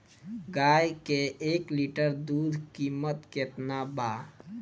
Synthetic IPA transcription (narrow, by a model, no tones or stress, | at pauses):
ɡaːjkeekliʈəɾd̪ud̪ʱkiːmət̪ket̪naba